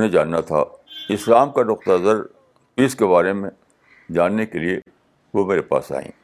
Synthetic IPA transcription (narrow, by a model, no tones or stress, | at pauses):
nẽd͡ʒaːnːat̪ʰa̰ɪslaːmkanʊq̚t̪əzəɾ | piːskebaːɾemẽ | d͡ʒaːnːekelie | ʋomeːɾepa̰ːsa̰ːḭ̃ː